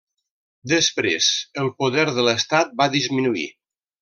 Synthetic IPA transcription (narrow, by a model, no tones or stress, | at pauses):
d̪əspɾḛzəlˠpuðɛɾðələst̪at̪̚baðizminuḭ